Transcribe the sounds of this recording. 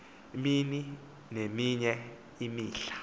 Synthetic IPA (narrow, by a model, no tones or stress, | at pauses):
mini | nemiɲɛ | imiːɬḁ